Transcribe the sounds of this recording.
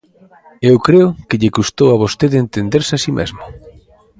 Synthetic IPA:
ewkɾeʊkɪʎekust̪owaβ̞ost̪eðent̪end̪eɾsasimʔḛzmʊ

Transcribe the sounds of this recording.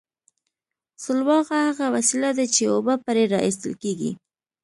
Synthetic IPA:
sʊlwɑɣahaɣawasilad̪at͡ʃeobapaɾeɾɑ̰ʔist̪ə̰lkeɡḭ

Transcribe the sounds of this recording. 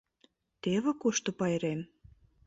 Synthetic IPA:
t̪eβĕkoʃt̪ŏpɑjɾem

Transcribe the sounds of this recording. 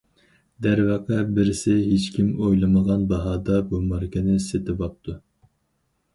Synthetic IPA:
d̪æɾvɑqʰɛbɪɾɪsɪɦet͡ʃkʲimojlˠɨməʁɑnbɑɦɑːd̪ɑbumɑɾkʰʲɪnɪset̪ʰɪvɑp̚t̪ʰu

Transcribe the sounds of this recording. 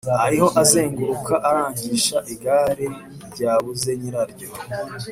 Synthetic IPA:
ɾahajiho̞ʔaze̞ːŋɡuɾukʰaʔaɾaːɲɟiːʃaʔiɡaːɾe | ɟaːβuze̞ɲiɾaɾɟo

